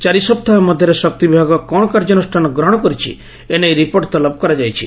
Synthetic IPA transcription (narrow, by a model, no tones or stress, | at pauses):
t͡ʃaɾisɔp̚t̪ʰaemɔd̪ʱjɔɾesɔk̚t̪ibibʱaɡɔkɔ̃ɔkaɾd͡ʒɔnusʈʰanɔɡɾɔɽ̃ɔkɔɾit͡ʃʰḭ | enejɾipoɾʈt̪ɔlɔp̚kɔɾad͡ʒajt͡ʃʰi